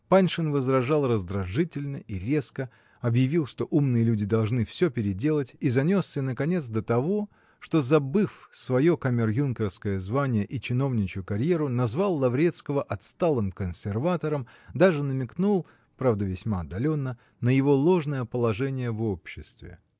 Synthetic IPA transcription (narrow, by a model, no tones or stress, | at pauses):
panʲʂɨnvəzd̪ɾɐʐɑlˠrəzd̪ɾɐʐɨtʲɪlʲnəʔiɾʲeskə | ɐbjɪvʲilˠʂt̪o̞ʔumnɨjəlʲudʲɪd̪ɐlˠʐnɨfsʲɵpʲɪɾʲɪdʲe̞lˠətʲizɐnʲo̞sːənəkɐnʲe̞t̪s̬d̪ət̪ɐvo̞ | ʂt̪o̞zɐbɨfsvɐjo̞kɐmʲɪrjunkʲɪrskəjəzvanʲɪjəʔit͡ɕɪno̞vnʲɪt͡ɕʊkɐɾʲje̞ɾʊnɐzvalˠːɐvɾʲe̞t̪skəvəʔɐt̪st̪alˠɨmkənsʲɪrvat̪əɾəm | d̪aʐɨnəmʲɪknulˠ | pɾavd̪əvʲɪsʲmaɐd̪ːɐlʲo̞nːə | nəjɪvo̞lˠo̞ʐnəjəpəlˠɐʐɛnʲɪjəvopɕːɪst̪vʲɪ̰